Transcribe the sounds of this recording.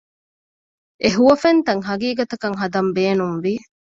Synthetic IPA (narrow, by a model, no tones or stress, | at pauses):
ʔeɦuʋɐfent̪ɐŋɦɐɡiːɡɐt̪ɐkɐŋɦɐd̪ɐmbeːnumʋi